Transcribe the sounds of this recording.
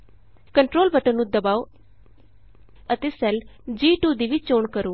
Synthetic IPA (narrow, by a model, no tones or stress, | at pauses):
kəɳʈɾoːlbəʈənnũːd̪əbaːoː | ət̪eːsɛld͡ʒiːʈuːd̪iːʋit͡ʃoːɳkəɾoː